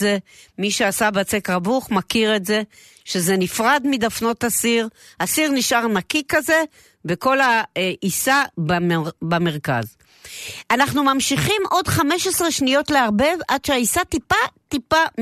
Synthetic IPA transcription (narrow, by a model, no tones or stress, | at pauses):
emiʃeasabat͡sekʁabuχmakiʁetze̞ | ʃezenifʁadmidafno̞tasiʁhasiʁniʃʔaʁnakikaze̞ | beko̞laʔisababame̞ʁka̰z | ʔanaχnumamʃiχimʔo̞dχame̞ʃesʁeʃnijo̞tleaʁbe̞vʔadʃeaisatipatipa